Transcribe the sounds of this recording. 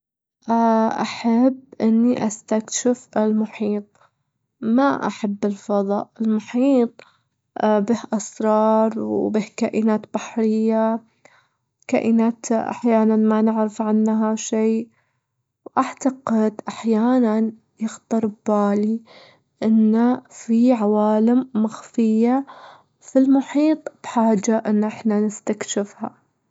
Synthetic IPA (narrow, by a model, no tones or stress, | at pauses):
ʔaʔaħabːʔɪnːiʔast̪akʃɪfʔɪlmʊħiːt̪̚ˤ | maʔaħabːɪlfɑðˤɑ̰ːʔɪlmʊħiːt̪̚ˤ | bɪhʔɑsɾˤɑːɾˤwbɪhkaːʔɪnaːt̪baħɾɪjːa | ka̰ːʔɪnaːt̪ʔa̰ħjaːnanmanɪʕɾɪfʕɪnːɦaʃeː | wʔaʕt̪aɡɪd̪ʔaħjaːnan | jɪxt̪ɑɾˤbbaːli | ʔɪnːafiʕawaːlɪmːaxfɪjːa | filmʊħiːt̪ˤb̥ħaːd͡ʒːaʔɪnːʔɪħnanɪst̪akʃɪfha̰